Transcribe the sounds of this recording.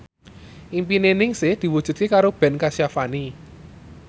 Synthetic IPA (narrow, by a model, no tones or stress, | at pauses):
ʔimpinenɪŋsɪhd̪̥i̤wud̥ʒ̥ṳt̪̚kekaɾob̥ɛ̤nkasijafani